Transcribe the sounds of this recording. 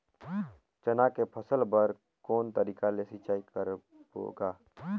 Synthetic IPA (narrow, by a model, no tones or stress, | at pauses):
t͡ʃənakepʰəsəlbəɾ | kɔːnt̪əɾiːkalesit͡ʃaːikəɾ | o̰ːɡaː